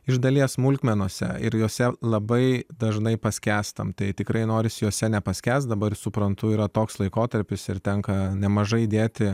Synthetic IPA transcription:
ɪʒd̪ɐlʲiɛsmʊlʲkʲmʲɛnoːsʲɛ̰ɪ̰ɾjoːsʲɛlˠɐbɐɪd̪ɐʒnɐɪpɐsʲkʲæːst̪ɐ̰mt̪ɐɪt̪ʲɪkɾɐɪnoːɾʲɪsʲjoːsʲɛnʲɛpɐsʲkʲæːst̪d̪ɐbɐɾsʊpɾɐnt̪ʊiːɾɐt̪oːkslˠɐɪkoːt̪ɐɾʲpʲɪsɪɾt̪ʲɛŋkɐnʲɛmɐʒɐɪd̪ʲeːt̪ʲɪ

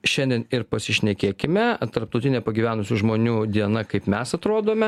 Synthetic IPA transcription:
ʃʲɛnʲd̪ʲiɛnɪɾpɐsʲɪʃʲnʲɛkʲeːkʲɪmʲɛt̪ɐɾp̚t̪ɐʊt̪ʲɪnʲeːpɐɡʲiːʋʲæːnʊsʲuːʒmoːnʲuːd̪ʲiɛnɐkɐɪpmʲɛsɐt̪ɾoːd̪oːmʲɛ

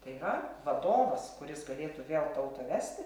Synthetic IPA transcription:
t̪ɐɪirɐʋɐd̪oːʋɐskʊɾʲɪsɡɐlʲeːt̪uːʋʲeːlˠt̪ɐʊt̪oːʋʲæːsʲt̪ʲɪ

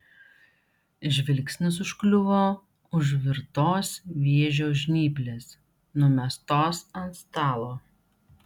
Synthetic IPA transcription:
ɪʒʲʋʲɪlʲksʲnʲʊs̬ʊʃklʲʊʋoː | ʊʒʲʋʲɪɾt̪oːsʋʲiɛʒʲoːʒʲnʲiːpʲlʲeːs | nʊɔmʲɛst̪oːsɐnt̪st̪ɑːlˠoː

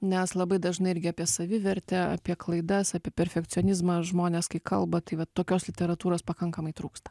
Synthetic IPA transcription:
nʲɛslˠɐbɐɪd̪ɐʒnɐɪɪɾʲɡʲɪɐːpʲiɛsɐʋʲɪʋʲɛɾʲt̪ʲɛɐ̰pʲiɛklˠɐɪd̪ɐsɑːpʲiɛpʲɛɾʲfʲɛk̪t͡s̪ʲɪoːnʲɪzmɐʒmoːnʲɛːskɐɪkɐlˠbɐt̪ɐɪʋɐtt̪ːoːkʲoːslʲɪt̪ʲɛɾɐt̪uːɾoːspɐkɐŋkɐmɐɪt̪ɾuːkst̪ɐ̥

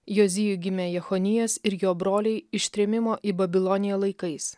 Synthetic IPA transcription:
joːzʲɪjʊɡʲɪmʲeːjɛxɔnʲɪjɛsɪɾjoːbɾoːlʲɛɪɪʃʲt̪ʲɾʲɛmʲɪmoːʔiːbɐbʲɪlˠɔnʲɪjoːlˠɐɪkɐɪs

